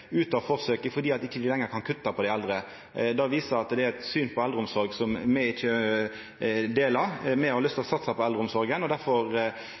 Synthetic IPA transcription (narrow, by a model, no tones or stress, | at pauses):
ʉːt̪ɑfɔʁsøːkəfɔɾd̪iːɑt̪ɪçːəd̪ɪlɛŋːəɾkʰɑnkʰʉt̪ːɑpʰɔd̪ɛɪɛld̪ɾə | d̪ɑʋiːsəɾɑt̪d̪ɛæɾɛt̪syːnpʰɔɛld̪ɾəʊmsɔɾɡsɔmmɛɪt͡ʃːə | d̪eːlɑɾmɛhɑɾlʏst̪ʰɪlɔsɑt̪sɑpʰɔɛld̪ɾəʊmsɔɾɡənɔd̪æɾfɔɾ